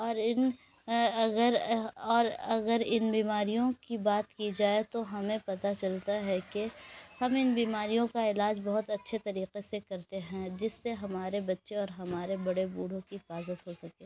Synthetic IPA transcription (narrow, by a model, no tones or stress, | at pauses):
ɔːɾɪn | ɐɡəɾɔːɾɐɡəɾɪnbiːmaːɾijõkibaːt̪kid͡ʒaːet̪oɦɐmẽpɐt̪at͡ʃɐlt̪aɦɛkehɐmɪnbiːmaːɾijõkaɪlaːd͡ʒbɐɦʊt̪ɐtːʃʰet̪ɐɾiːqesekɐɾt̪eɦɛ̃d͡ʒɪsːeɦɐmaːɾebɐtːʃeɔːɾɦɐmaːɾebɐɽebuːɽ̤õkipaːzət̪ɦosɐkẽː